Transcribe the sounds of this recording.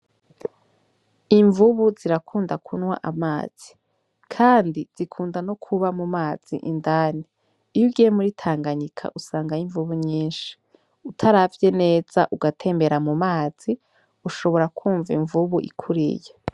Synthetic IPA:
iɱvuβuziɾakʰuːndakʰunwa̰ʔamaːz̥i | kʰaːndiz̥ikʰuːndano̞kʰuβamumaːz̥ḭʔindaːniː | juɡijemuɾitʰaːŋɡaɲikʰa̰ʔusaːŋɡajiɱvuβuɲiːnʃi̥ | utʰaɾavje̞ne̞ːz̥a̰ʔuɡatʰe̞ːmbe̞ɾamumaːz̥i | uʃo̞βo̞ɾakʰuːɱviɱvuβuʔḭkʰuɾḭje

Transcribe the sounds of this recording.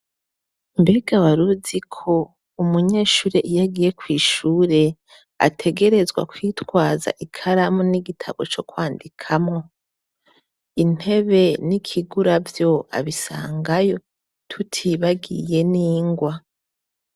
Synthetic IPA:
mbeɡaβaɾuzikʰo̞ | umuɲe̞ːʃuːɾe̞ʔijaɡije̞kwiːʃuːɾe̞ | a̰tʰe̞ɡe̞ɾe̞zɡwa̰kwitwaːza̰ʔikʰaɾamuniɡitʰa̰ɡo̞t͡ʃo̞kwaːndikʰamŋo̞ | in̥e̞βe̞nikʰiɡuɾavjo̞a̰βisa̰ːŋɡajo̞ | tʰutʰiβaɡḭje̞niːŋɡwa

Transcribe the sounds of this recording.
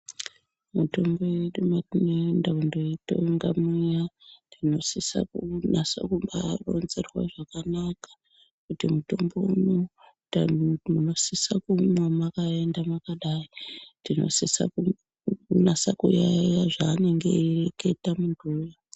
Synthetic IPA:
muto̞mbo̞eɗumanondaundoito̰ŋɡamijadino̞sisa̰kunasa̰kumbaro̰nzerwa̰ʐakanakḁ | kutimuto̞mbo̞uno | amuno̞sisakumwamakae̞ndamakaɗainino̞̰sisa̰ku | nasakṵjajaʐaːne̞ŋɡe̞̰ireke̞tamundʱuːja

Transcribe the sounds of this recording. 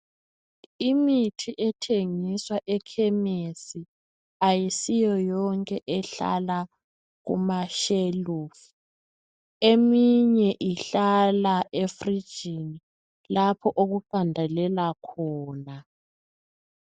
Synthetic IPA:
imitʰiʔɛtʰeŋiswaʔɛkʰɛmesi | ajisijɔjɔŋkʼɛʔɛɬa̰la | ɣṵmaʃeluːfu | emiɲɛʔiɬalaefrid̥ʒ̥ʱini | lapʰɔʔoɣuɓʱandʱalɛlakʰɔːna

